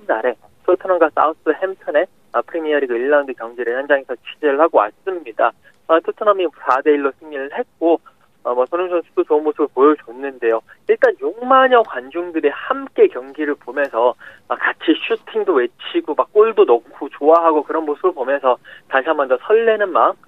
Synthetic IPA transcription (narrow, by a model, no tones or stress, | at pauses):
nnaɾe̞ | tʰɯtʰɯnaŋɡas͈a̰us͈ʰɯhemtʰɯne | ʌpʰɯɾemiʌɾiɡaiɭːaŋdɯkjʌŋɡiɾɯɭhand͡ʑaŋesʰʌt͡ɕʰid͡ʑeɾɯɭhaɡowa̰s͈ɯmɲida | ʌtʰɯtʰʌnamisʰade̞iɭːosʰɯŋinɯɭhe̞t̚k͈o | ʌmʌsʰʌnuŋsʰʌnsʰu̥dot͡ɕoɯnmosʰɯbɯɭpojʌt͡ɕonːɯnde̞jo | iɭt͈anjoŋmaɲʌkwand͡ʑuŋdɯɾehamk͈e̞kjʌŋɡiɾɯɭpomjʌnsʰʌː | kat͡ɕʰiɕʰutʰiŋdowe̞t͡ɕʰiɡomak͈oɭdonʌkʰot͡ɕoaɦaɡokɯɾʌnmosʰɯbɯɭpomjʌnsʰʌtaɕʰiamʌndʌsʰʌɭːenɯnman